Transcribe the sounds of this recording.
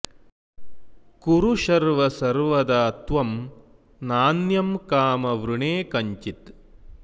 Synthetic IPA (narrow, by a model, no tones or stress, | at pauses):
kuɾuʃɐɾʋɐsɐɾʋɐd̪ɐːt̪ʋɐm | naːnjɐmkaːmɐʋɾuɳeːkɐɲt͡ʃit̪